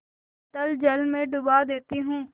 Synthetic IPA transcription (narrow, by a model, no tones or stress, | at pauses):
t̪əld͡ʒəlmẽɖʊbaːd̪eːt̪iɦũː